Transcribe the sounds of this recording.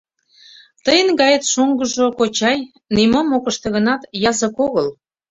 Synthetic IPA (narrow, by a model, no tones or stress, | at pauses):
t̪əjənɡɑjət̪ʃoŋɡə̆ʒokot͡ɕɑj | nimomokəʃt̪ĕɣə̆nɑt̪jɑzə̆koɣəl